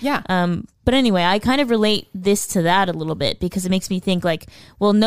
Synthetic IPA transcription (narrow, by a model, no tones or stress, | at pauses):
jʔʌ̃mb̥ʌɾɛniweɪaɪkʰãɪ̃ndʌvɹɨleɪt̪̚ðɪstʰɨðəɾəlɪɾl̩ˠbɪ̰t̚b̥ɨkʰʌzɨt̚meɪksmiθɪ̃ŋklaɪkwɛlˠno